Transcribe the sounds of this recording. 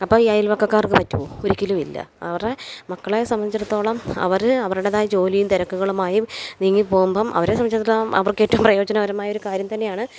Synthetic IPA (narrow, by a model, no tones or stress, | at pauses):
ɐpːɐːiɐjilʋɐkːɐkːaːrkɨpɐtːuuoɾikʲːilumilːɐ̰ɐʋɐremɐkːɐɭejsɐmːɐnt͡ɕːiɾɐt̪ːo̞ːɭɐmɐ̰ʋɐɾɨɐʋɐɾuɽeðaːjɐd͡ʑo̞ːlijumt̪eɾɐkːuɣɐɭumaːjiniŋːipoːɣumbɐmʔɐ̰ʋɐɾesɐmːɐɲt͡ɕːɐt̪ːlaɐ̰ʋɐrketːɐʋumprɐjo̞ːd͡ʑɐnɐʋɐɾɐmaːjo̞ɾukaːɾjɐmt̪ɐnːe̞jaːɳɨ